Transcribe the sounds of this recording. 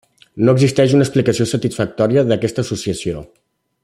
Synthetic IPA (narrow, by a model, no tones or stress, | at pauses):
noəɡzist̪ɛʃunəksplikəsiosət̪isfək̚t̪ɔɾiəðəkɛst̪əːsusiəsio